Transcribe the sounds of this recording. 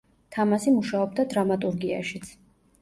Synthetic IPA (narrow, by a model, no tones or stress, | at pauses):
t̪ʰamasimuʃaɔb̚d̪ad̪ɾamat̪ʼuɾɡia̰ʃit̪sʰ